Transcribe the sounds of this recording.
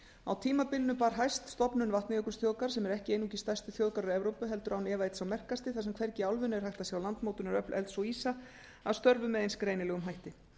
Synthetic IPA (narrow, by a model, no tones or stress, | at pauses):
awt̪ʰiːmapɪlnʏpaːɾɦajst̪st̪ɔpnʏnvaht̪nɪɛkʏst̪ʰjoːwkaɾ̥sɛmɛɾɛhcɪeːjnucɪst̪ajst̪ʏθjoːwðkaɾʏɾɛvɾowpʏɦɛlt̪ʏɾawnɛːvajt̪sawmɛr̥kast̪ɪθasɛmkʰvɛɾcɪalvʏnʏɛɾhajht̪asjawlant̪mowt̪ʏnaɾœplʔɛ̰lt̪sɔwiːsa | aðst̪œɾvʏmɛðejnskɾejnɪlɛɣʏmɦajht̪ɪ